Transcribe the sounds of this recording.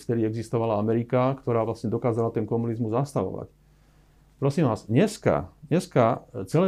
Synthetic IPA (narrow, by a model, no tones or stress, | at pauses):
ft̪ɛd̪iɛɡzist̪ɔʋalaamɛɾikakt̪ɔɾaːʋlasɲɛd̪ɔkaːzalat̪ɛnkɔmunizmuzːast̪aʋɔ̰ʋa̰c | pɾɔsiːmʋaːzɲɛska̰ɲɛskat͡sɛlɛ